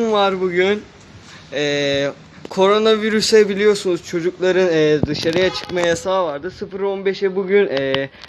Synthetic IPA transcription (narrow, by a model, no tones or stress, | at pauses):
nvaɾbuɟyn | ɛː | kʰo̞ɾo̞naviɾysɛbilʲijo̞sunuzt͡ʃʰo̞d͡ʒuklˠaɾɯnɛːd̪ɯʃaɾɯjat͡ʃʰɯ̥kmajasaːvaɾd̪ɯsɯfɯɾo̞nbeʃɛbuɟynɛː